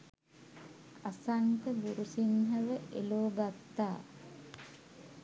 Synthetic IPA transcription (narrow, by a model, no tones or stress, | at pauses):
asaŋkəɡuɾusinɦəʋəʔeloːɡat̪ːaː